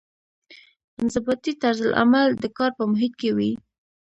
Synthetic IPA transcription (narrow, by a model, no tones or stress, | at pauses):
ɪnzəbɑt̪it̪aɾzəlʔa̰mald̪əkɑɾpəmʊɦɪt̪̚kewi